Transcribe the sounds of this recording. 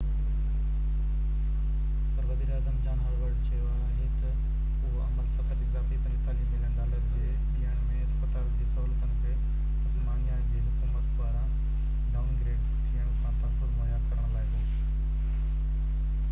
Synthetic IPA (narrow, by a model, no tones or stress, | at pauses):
pəɾʋɐziːɾaːzəmd͡ʑaːnɦɐɾʋəɖt͡ɕʰɐjoaːɦet̪ɐ | ʊɦoʔɐ̰məlt̪ɐk̪ʰəʈ̪ikaːfibənit̪aːliːmɪnəɽ̃ɗaːləɾd͡ʑeː | ɗiːəɽ̃mẽɐspət̪aːld͡ʑiːsɐɦuːlət̪ənɪ̆kʰe | sɐmaːnijaːd͡ʑiːɦʊkumət̪baːɾã | ɖaːʊnɡɾeːɖ | t̪ʰiːəɽ̃kʰãːt̪ãpɐmajaːd̪kɐɾəɽ̃laːɦed̪oː